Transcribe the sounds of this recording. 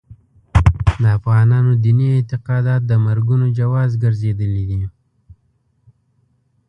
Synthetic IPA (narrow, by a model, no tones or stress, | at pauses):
d̪əafɣɑnɑnod̪iniɪnt̪ɪqɑd̪ɑt̪̚d̪əmaɾɡunod͡ʒawɑzɡəɾzed̪əlid̪i